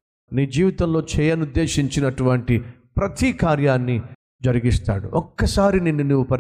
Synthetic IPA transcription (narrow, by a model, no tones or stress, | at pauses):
niːd͡ʒiːʋit̪ɐmlo̞ːt͡ʃɛːjɐnud̪ːe̞ːʃiɲt͡ʃinɐʈuʋɐɳʈi | pɾɐt̪ikaːɾjaːnːi | d͡ʒɐɾiɡist̪a̰ːɽṵʔɔkːɐsaːɾininːunːuʋupɐ